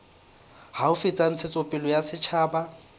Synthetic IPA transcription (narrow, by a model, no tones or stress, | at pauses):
haʊfɪt͡sʼan̩t͡sʰɪt͡sʼɔpʼɪlɔjasɪt͡ʃʰaːba